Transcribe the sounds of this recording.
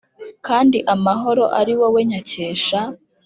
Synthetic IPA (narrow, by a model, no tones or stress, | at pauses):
kaːndiʔamaɦo̞ɾo̞̰ʔaɾiwo̞we̞ɲace̞ːʃa